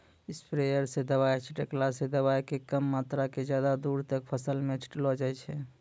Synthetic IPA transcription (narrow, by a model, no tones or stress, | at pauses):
ɪspʰɾejəɾsed̪əβajt͡ʃʰiʈəklased̪əbaːjkekəmːaːt̪ɾaked͡ʒjaːd̪ad̪uːɾt̪ək̚pʰəsəlmẽt͡ʃʈlɔd͡ʒajt͡ʃʰɛ